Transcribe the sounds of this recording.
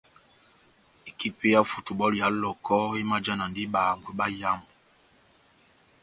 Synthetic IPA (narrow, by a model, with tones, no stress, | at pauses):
i˨ki˦pe˦ja˦fu˨tu˨ɓɔ˦li˨a˨˦lɔ˨kʰɔ˦i˦ma˦d͡ʒa˦na˨ndi˦ɓa˨ŋ̩˨ɡwe˨˦ɓa˦ja˦mb